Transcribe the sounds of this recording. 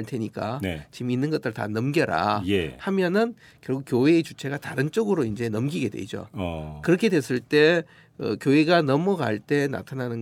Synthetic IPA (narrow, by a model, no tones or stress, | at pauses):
ɭtʰeɲik͈anet͡ɕiminːɯnɡʌt͈ɯɭta̰nʌmɡjʌɾa̰jehamjʌnɯn | kjʌɭɡukjoɦe̞ːt͡ɕut͡ɕʰe̞ɡataɾɯnt͡ɕ͈oɡɯɾoind͡ʑe̞nʌmɡiɡe̞dwḛd͡ʑo̰kɯɾʌkʰe̞dwe̞s͈ɯɭt͈e̞ | ɯ̰kjoeɡanʌmʌɡaɭt͈e̞na̰tʰananɯn